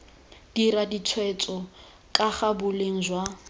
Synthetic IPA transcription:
d̥iɾadit͡sʰwɛt͡sʼɔ | kʼaχabʊleŋ̩d͡ʒwa

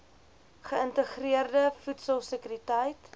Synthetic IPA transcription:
χəəntəχriərdəfutsəlˠsəkyɾitəjt

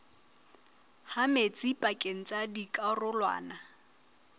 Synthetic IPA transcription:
hamet͡sʼipʼakʼeŋ̩t͡sʼadikʼarʊlwa̰ːna

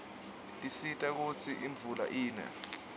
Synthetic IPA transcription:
tʼisitʼak̬ut͡sʰiʔiɱb̪vʱula̰ʔiːnɛ̰

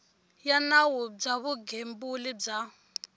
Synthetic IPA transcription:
janawub͡ʐaβuɡembulib͡ʐa

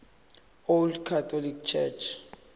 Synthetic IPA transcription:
oldkʰatʰɔlik̚t͡ʃʰɛt͡ʃʰ

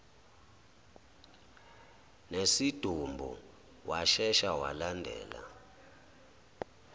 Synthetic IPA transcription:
nesid̥ʱumbʱṵ | waʃɛʃawalandʱɛ̰ːla̰

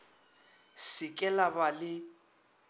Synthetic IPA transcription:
sɪkʼɛlabalɪ

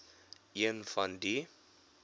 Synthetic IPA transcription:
iənfɐndi

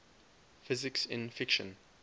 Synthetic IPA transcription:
fɪzɪksɪ̰̃nfɪkʃə̰̃n

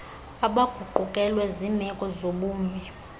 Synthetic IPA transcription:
aɓaɡ̥ʱuǃukʼɛlwɛzimɛkʼɔzoɓuːmi

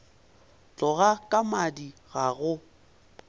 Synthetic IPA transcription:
t͡ɬʼɔɣakʼamadiɣaɣʊ

